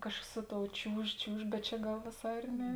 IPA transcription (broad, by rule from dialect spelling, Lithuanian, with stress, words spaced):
ˈkɑːʃkɐs ˈsʊ ˌtoːʊ ˈt͡ʃʲuːʃ ˈt͡ʃʲuːʃ bʲɛt ˈt͡ʃʲɛ ˈɡɐlˠ ʋʲeːˈsɑː ɪr ˈnʲɛ